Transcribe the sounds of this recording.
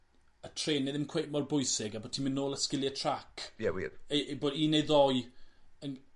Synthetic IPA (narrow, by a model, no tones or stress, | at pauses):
ətʰreːnɛðɪmkʰwejmɔrbʊjsɪɡabotʰiːmɪnːoːlˠəskɪlˠjətʰrakʰjɛwḭboːdiːnejðɔjən